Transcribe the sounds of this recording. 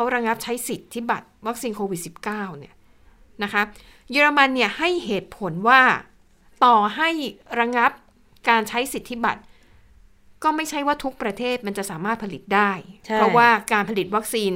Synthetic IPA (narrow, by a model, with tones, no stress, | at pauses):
kʰa˦˥wɾa˧ŋa˦˥p̚t͡ɕʰa˦˥jsi˨˩t̪ʰːi˦˥˩ba˨˩t̪̚wa˦˥k̚siː˧nkʰoː˧wi˨˩t̪̚si˨˩p̚kaː˥˩wni˦˥˩ɐ | na˦˥kʰa˦˥ | jɤː˧ɾa˧ma˧nːi˥˩ɐha˥˩jɦeː˨˩t̪̚pʰo˩˦nwaː˥˩ | t̪ɔː˨˩ɦa˥˩jɾa˧ŋa˦˥p̚ | kaː˧nt͡ɕʰa˦˥jsi˨˩t̪ʰːi˦˥ba̰˨˩t̪̚ | kɔː˥˩ma˥˩jt͡ɕʰa˦˥˩jwaː˥˩t̪ʰu˦˥k̚pɾa˧t̪ʰeː˥˩t̪̚ma˧nt͡ɕa˨˩ʔsaː˩˦maː˥˩t̪̚pʰa˧li˨˩t̪̚daː˥˩jpɾɔ˦˥waː˥˩kaː˧npʰa˧li˨˩t̪̚wa˦˥k̚siː˧n